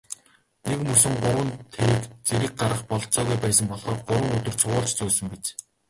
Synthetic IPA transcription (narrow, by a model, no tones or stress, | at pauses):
nekmɵsɘ̆ŋɢʊɾwə̆nt̪ʰeɾiːkt͡seɾɘ̆k̚ɢaɾə̆χpɔɮt͡sɔːɣujpæːsə̆mpɔɮχɔːrɢʊɾwə̆ŋɵt̪ɵ̆r̥t͡sʰʊʁʊːɮt͡ɕt͡sɵːsɵ̆ŋpit͡ɕ